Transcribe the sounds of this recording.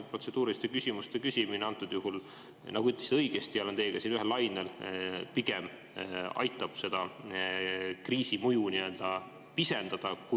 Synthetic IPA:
pro̞t̪se̞d̪̥uːɾist̪e̞kysʲimust̪e̞kysʲimineɑnt̪ːˑud̪̥juɦul | nɑɡ̥uyt̪lːesi̥t̪ɤjɡ̥est̪iɑlent̪eːɡ̥ɑsinyɦelɑjnelpiɡ̥em | ɑ̰jt̪ˑːɑb̥se̞d̪̥ɑ | kriːsimujuniø̞ld̪̥ɑ | pise̞nd̪̥ɑd̪̥ɑku

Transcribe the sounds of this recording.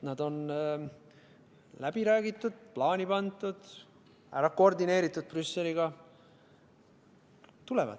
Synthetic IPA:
nɑd̪o̞n | læb̥iɾæːɡ̥it̪ːˑud̪̥̚plɑːnʲipɑnd̪ˑud̪̥ | æɾɑkord̪ine̞ːɾit̪ːˑud̪̚prysːe̞liɡ̥ɑ | t̪ule̞vɑ̰d̪̥

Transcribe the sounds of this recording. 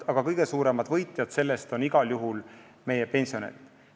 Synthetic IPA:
ɑɡ̥ɑkɤjɡ̥e̞suːɾe̞mɑd̪̥vɤjt̪ˑjɑd̪̥se̞lːe̞st̪o̞niɡ̥ɑljuɦul | me̞jepe̞nʲsio̞nḛt̪

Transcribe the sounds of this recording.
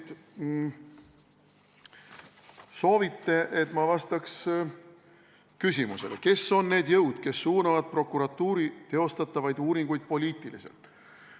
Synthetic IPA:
t̪ | so̞ːvit̪ːe̞ʔe̞t̪mɑvɑst̪ɑks | kysʲimuse̞leke̞sːo̞nːe̞ːd̪̥jɤwd̪̥ke̞sːuːnɑvɑd̪̥̚pro̞kuɾɑt̪ːuːɾit̪e̞o̞st̪ɑt̪ːˑɑvɑjd̪̥uːɾiŋɡ̥ujd̪̥̚po̞lʲiːt̪ːˑilise̞̰lt̪ˑ

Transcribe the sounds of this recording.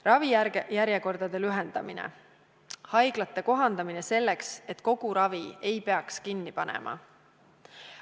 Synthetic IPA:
rɑvijjæɾjeko̞rd̪̥ɑd̪̥e̞lyɦe̞nd̪̥ɑminḛ | hɑjɡ̥lɑt̪ːˑe̞ko̞ɦɑnd̪̥ɑmine̞se̞lːe̞kse̞t̪ko̞ɡ̥uɾɑvie̞jpe̞ɑkskinːipɑnḛmʔɑ̰

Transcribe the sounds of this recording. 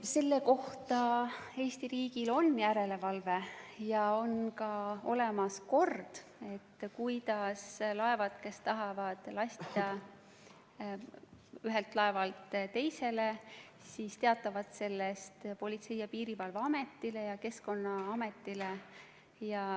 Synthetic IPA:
se̞lːe̞ko̞ht̪ɑe̞ːsʲt̪iɾiːɡ̥ilo̞njæɾe̞le̞vɑlve̞jɑo̞nkɑo̞̰le̞mɑsko̞rd̪̥e̞t̪ːkujd̪ɑslɑe̞vɑt̪ke̞st̪ɑɦɑvɑd̪̥lɑsʲt̪t̪ɑ | yɦelt̪lɑe̞vɑlt̪t̪e̞jse̞le | siːst̪e̞ɑt̪ːˑɑvɑd̪̥se̞lːest̪po̞lʲit̪se̞jɑpiːɾivɑlvɑɑme̞t̪ːˑile̞jɑke̞sko̞nːɑɑme̞t̪ːˑile | jɑ

